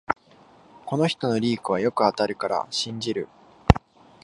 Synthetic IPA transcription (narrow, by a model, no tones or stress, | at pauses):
ko̞no̞çi̥t̪o̞no̞ɾʲiːkɯ̟β̞ajo̞kɯ̟at̪aɾɯ̟kaɾa̰ɕĩɲd͡ʑiɾɯ̟